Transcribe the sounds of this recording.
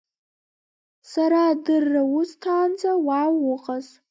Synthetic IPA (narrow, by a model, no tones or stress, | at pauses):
saɾadɨrːawʊstʰaːnd͡zawawʊqʼaz